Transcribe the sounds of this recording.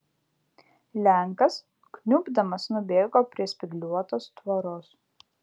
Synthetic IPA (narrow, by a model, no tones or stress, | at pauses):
lʲæˑŋkɐs | knʲuːbd̪ɐmɐsnʊbʲeːɡoːpʲɾʲiɛsʲpʲɪɡlʲuɔt̪oːst̪ʋɐɾoːs